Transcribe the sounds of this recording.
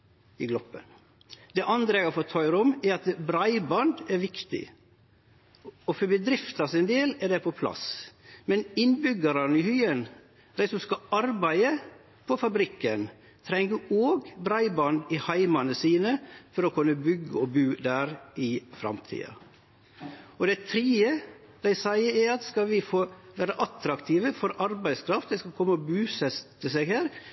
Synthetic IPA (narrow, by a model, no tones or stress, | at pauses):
ɪɡlɔpːə̰n | d̪ɛʔɑnd̪ɾəɛɡɑfoːt̪ʰœʏɾɔmɛɾɑt̪bɾɑɪbɑnd̪ɛɾʋɪkt̪ɪ̰ | ɔfɔbəd̪ɾɪft̪ɑsɪnd̪eːlɛd̪ɛpʰɔpʰlɑ̰smɛnɪnbʏɡəɾənəɪhyːən | d̪æɪsɔmskɑɑɾbæɪə | pʰɔfɑbɾɪkːən | t̪ʰɾɛŋɡəoːɡbɾæɪbɑnd̪ɪhɑɪmɑnəsiːnəfɔɾɔkʰʉnːəbʏɡːəɔbʉːd̪æɾɪfɾɑ̰mt̪ʰḭːɑ̰ | ɔd̪ɛt̪ʰɾiːə | d̪æɪsæɪəɛɑt̪skɑʋɪfoːʋæːɾəʔɑt̪ɾɑkt̪ʰiːʋəfɔɾɑɾbæɪskʰɾɑft̪d̪ɛɪskɑlkʰɔmːəɔbʉːsɛt̪ːəsɛɡhæːɾ